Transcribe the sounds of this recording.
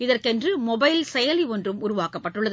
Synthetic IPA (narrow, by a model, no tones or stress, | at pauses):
ɪðɐrkɛndrɯmɔbɐɪlsɛjɐliɔndrɯmʊɾʊʋaːkɐpːɐʈːɯɭːɐð